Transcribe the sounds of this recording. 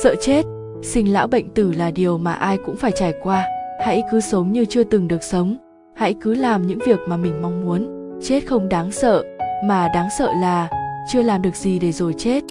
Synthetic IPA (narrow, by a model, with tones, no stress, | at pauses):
sə̰ː˧˨t͡ɕe˦˥t̚ | sï˧ŋ̟la̰ː˧˥wɓə̰˧˨jŋ̟t̪ɨ˧˩laː˨˩ɗi˨˩əwmaː˨˩ʔaː˧jkʊ̰˧˥ŋ͡mfaː˧˩jt͡ɕaː˨˩jkwaː˧ha̰˧˥jkɨ˨˦sə˨˦wŋ͡mɲɨ˧t͡ɕɨ˧ət̪ɨ˨˩ŋɗɨ˨˩ək̚sə˨˦wŋ͡m | ha̰˧˥jkɨ˨˦laː˨˩mɲɨ̰˧˥ŋvi˨˩ək̚maː˨˩mï˨˩ŋ̟ma˧wŋ͡mmu˨˦ən | t͡ɕe˦˥t̚xə˧wŋ͡mɗaː˨˦ŋsə̰ː˧˨maː˨˩ɗaː˨˦ŋsə̰ː˧˨laː˨˩t͡ɕɨ˧əlaː˨˩mɗɨ˨˩ək̚zi˨˩ɗe˧˩zo˨˩jt͡ɕe˦˥t̚